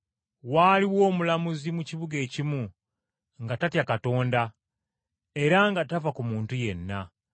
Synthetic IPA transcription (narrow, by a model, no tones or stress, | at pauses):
waːliwo̞ːmulamuzimuciβuɡe̞ːcimu | ŋɡatatjakato̞ːnda | e̞ɾaŋɡatavakumuːntuje̞nːa